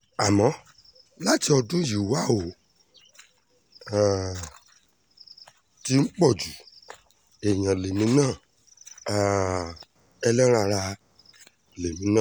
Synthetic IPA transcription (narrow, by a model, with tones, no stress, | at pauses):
a˨mɔ̃˨˦ | la˦ti˧ɔ˧dũ˦ji˨˦wa˦˨o˨ | ti˦n̩˦k͡pɔ˦˨d͡ʒu˨ | ɛ˨j̃ã˨le˨mĩ˨˦nãː˦˨ | ɛ˧lɛ˦ɾa˧ɾa˧ | le˨mĩ˨˦nãː˦˨